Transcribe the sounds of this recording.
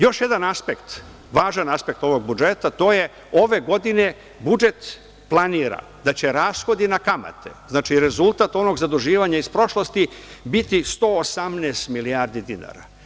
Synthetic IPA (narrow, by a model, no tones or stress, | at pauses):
jo̞ʃje̞d̪anaspekt̪ | ʋaːʒanaspe̞k̚t̪o̞ʋo̞ɡbud͡ʒe̞t̪at̪o̞ːje̞ | o̞ʋe̞ɡo̞d̪ine̞ | bud͡ʒe̞t̪ | plˠaniːɾa̰ | d̪at͡ɕe̞ɾaːsxo̞d̪inakama̰t̪ʰḛznaːt͡ʃiɾe̞zulˠt̪at̪o̞no̞ɡzad̪uʒiːʋaɲaispɾo̞ʃlˠost̪ibit̪ist̪o̞ːsamnɛːst̪miliaːɾd̪id̪ina̰ːɾa̰